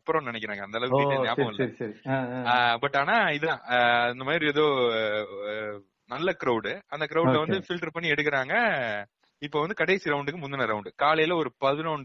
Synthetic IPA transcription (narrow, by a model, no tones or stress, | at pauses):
ɐpːɯɾɐ̃nɪnɛkːɪɾaːŋɡɐnd̪ɐlɐʋɯkːiejaːɐ̃ŋɡɐlɐɾisɐɾiabɐʈːaːnaːɪðãːɪnd̪ɐmaːd̪ɾiɛðoː | nɐlːɐkɪɾɐʊɽɯɐnd̪ɐk̬ɪɾɐʊlɐʋɐnd̪ɯfɪlʈɐɾpɐɳːiɛɽɯk̬ːɪɾaːŋɡɐ | ɪpːoːʋɐnd̪ɯkɐɽɐɪsiɾɐʊɳɖɯkːɯmʊnːɐnɐɾɐʊɳɖɯkaːlɐjɪlɐɔɾɯpɐðɯɾɐʊɳɖ